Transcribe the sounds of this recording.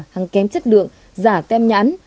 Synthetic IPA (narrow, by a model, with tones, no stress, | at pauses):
ha˨˩ŋkɛ˨˦mt͡ɕə˦˥t̚lɨ̰˧˨əŋ | zaː˧˩t̪ɛ˧mɲa̰ː˧˨˦n